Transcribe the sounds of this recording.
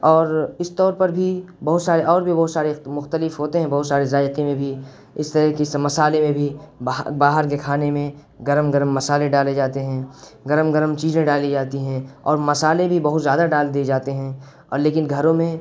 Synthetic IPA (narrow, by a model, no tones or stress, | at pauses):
ɔːɾɪst̪ɔːɾpɐɾbʱi | bɐɦʊt̪saːɾeʔɔːɾbʱibɐɦʊt̪saːɾemʊxt̪əlɪfɦoːt̪eɦɛ̃bɐɦʊt̪saːɾezaːjqimẽbʱi | ɪst̪əɾəɦkismɐsaːlemẽbʱibbaːɦəɾk̬ekʰaːnemẽ | ɡɐɾəmɡɐɾmːɐsaːlẽɖaːled͡ʒaːt̪eɦɛ̃ɡɐɾəmɡɐɾəmt͡ʃiːzẽɖaːlid͡ʒaːt̪iɦɛ̃ɔ̰ːɾmɐsaːlebʱibɐɦʊt̪zjaːd̪aɖaːld̪ied͡ʒaːt̪eɦɛ̃ | ɔ̰ːɾleːkɪnɡʱɐɾõmẽ